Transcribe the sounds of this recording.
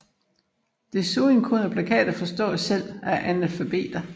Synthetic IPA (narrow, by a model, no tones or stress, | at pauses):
d̥e̝soːenkʰɔnɐpʰlækʰɛ̰ːd̥ɐfɒ̽sd̥ɒ̰ːsel̰æʔænælfæb̥e̝̰ːd̥ɐ